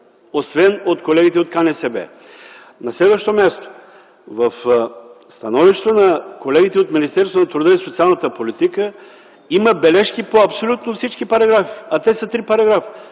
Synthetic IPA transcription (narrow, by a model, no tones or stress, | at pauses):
osvɛnot̪kolɛɡit̪ɛot̪kanɛsɛbɛ̰ | nɐslɛd̪vəʃt̪omʲjast̪o̥ | vɐəfst̪ɐnɔviʃt̪vənɐkolɛɡit̪ɛot̪minist̪ɛɾsvonɐt̪ɾud̪əisot̪sialˠnət̪əpolit̪ikə | iməbɛlɛʃk̟ipoɐpsolʲut̪nofsit͡ʃkipɐɾɐɡɾafiɐt̪ɛsət̪ɾipɐɾɐɡɾafi̥